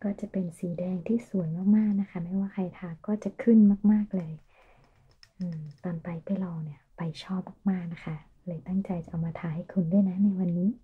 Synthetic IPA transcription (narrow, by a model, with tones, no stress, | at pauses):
kɔː˥˩t͡ɕa˨˩pe˧nsiː˨˩˦dɛː˧ŋt̪ʰiː˥˩su˨˩˦jmaː˥˩k̚maː˥˩k̚na˦˥kʰa˥˩ma˦˥˩waː˥˩kʰa˧jt̪ʰaː˧kɔː˥˩t͡ɕa˨˩kʰɯ˥˩nmaː˥˩k̚maː˥˩k̚lɤː˧j | ʔɯː˧˩t̪ɔː˧npa˧jpa˧jlɔː˧wni˥˩ɐpa˧jt͡ɕʰɔː˥˩p̚maː˥˩k̚maː˥˩k̚na˦˥kʰa˦˥˩ | lɤː˧jt̪a˥˩ŋt͡ɕa˧jt͡ɕa˨˩ʔa˧wmaː˧t̪ʰaː˧ha˥˩jkʰu˧˩ndu˥˩˨jna˦˥na˧jwa˧nːiː˦˥